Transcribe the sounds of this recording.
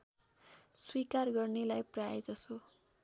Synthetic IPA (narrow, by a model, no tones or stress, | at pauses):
swikarɡʌrnelajprajd͡zʌso